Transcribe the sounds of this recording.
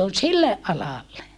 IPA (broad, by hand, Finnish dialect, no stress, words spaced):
on silːeʔ ʔɑlɑlːe